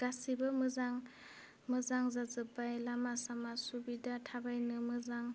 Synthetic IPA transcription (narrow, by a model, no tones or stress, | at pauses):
ɡasibɯmɯzaŋ | mɯzaŋzazɯpajlamasamasubidatʰabajnɯmɯzaŋ